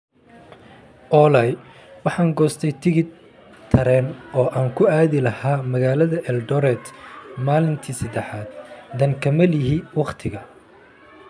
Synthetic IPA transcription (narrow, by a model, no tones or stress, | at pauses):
ʔɔːlɐj | wɑħɑːŋɡɔːst̪ʰɛjt̪ʰɪɣɪd̪ | t̪ʰɐɾɛːnɔːʔaːŋkʰʊaːðɪlɐhaːmɐɣaːlɐðɐʔɛlɖɔɾɛt̪maːlɪnt̪ʰiːsɐd̪ɛħaːd̪d̪ɐŋkʰɐmɐlɪɦiwɑqt̪ʰɪɣɐ